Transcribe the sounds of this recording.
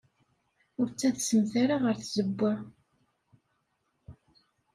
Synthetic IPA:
ʊɾt͡sːæθsəmθæɾaʁəɾθzəbːæ

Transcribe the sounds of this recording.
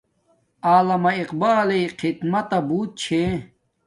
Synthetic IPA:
aːlɐmɐiqbaːlejqʰit̪mɐt̪ɐbuːt̪̚t͡ɕʰe

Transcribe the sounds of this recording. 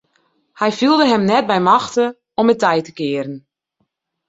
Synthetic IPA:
hɛjfilˠdəɦɛmnɛt̚bɛjmɑxtə | ɔmətɛjtə̥kɪəɾən

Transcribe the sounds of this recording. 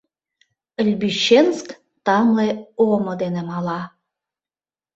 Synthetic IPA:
əlʲbyɕensk | t̪ɑmleomod̪enemɑlɑ

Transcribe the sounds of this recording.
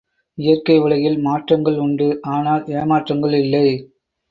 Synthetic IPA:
ɪjɐrkɐɪʋɐɭɐjɪlmaːʈrɐŋɡɐɭʊɳɖɯʔaːnaːleːmaːʈrɐŋɡɐɭɪlːɐɪ

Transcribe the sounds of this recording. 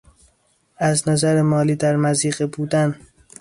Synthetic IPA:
æznæzæɾemɒːliːd̪æɾmæziːɢebuːd̪æn

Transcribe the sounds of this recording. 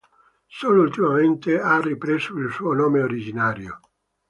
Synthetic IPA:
soːloult̪imament̪earːipɾezoilsuːonoːmeoɾid͡ʒinaːɾjo̰

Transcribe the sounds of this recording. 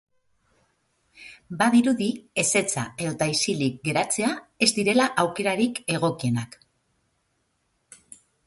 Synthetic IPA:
baðiɾuðie̞se̞t͡sa̰e̞ðot̪aisilik̚ɡe̞ɾat͡se̞ae̞zd̪iɾe̞laʔawke̞ɾaɾike̞ɣ̞o̞kie̞nak

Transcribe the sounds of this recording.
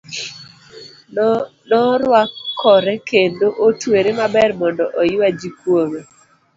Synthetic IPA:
nɔɾwakʰːɔɾɛkendoʔotweɾemabɛrmɔndɔʔɔjad͡ʒikwome

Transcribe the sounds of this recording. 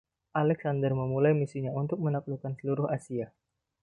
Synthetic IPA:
ʔalɛksandərməmulajmisiɲaunt̪ʊk̚mənak̚lukansəluɾʊhasia

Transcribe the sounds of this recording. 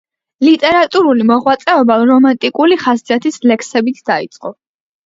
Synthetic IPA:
lit̪ʼɛɾat̪ʼuɾulimɔʁwat̪sʼɛɔbaɾɔmant̪ʼikʼuliχaszat̪ʰislɛksɛbit̪ʰd̪ait̪sʼqʼɔ

